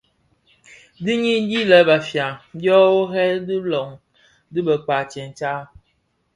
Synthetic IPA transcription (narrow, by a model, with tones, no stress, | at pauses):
di˦ɲi˦di˦lə˨˦ba˨fja˨˦bjɔ˦wo˦ɦɛ˦dɨ˦lɔ˨ŋ | dɨ˦bə˨k͡pa˨t͡ʃɛ˨n˨t͡ʃa˦